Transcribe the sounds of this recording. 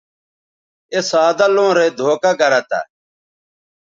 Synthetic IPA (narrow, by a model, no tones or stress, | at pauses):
esaːd̪alõːɾeːd̪ʱoːkaɡɐɾat̪a̰